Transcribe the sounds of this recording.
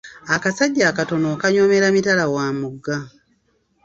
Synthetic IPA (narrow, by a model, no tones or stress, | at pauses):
akasaɟːaːkato̞nokaɲo̞me̞ɾamitalawaːmuɡːa